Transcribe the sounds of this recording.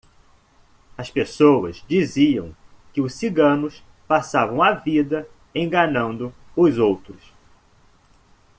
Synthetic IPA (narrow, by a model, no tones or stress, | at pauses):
ɐspesowɐ̰zd͡ʒiziɐ̰̃w̃ | kɪʊsiɡɐ̃nʊs | pasavɐ̃w̃avid̪ɐ | ẽɡɐnɐ̃nd̪ʊ | ʊzowt̪ɾʊs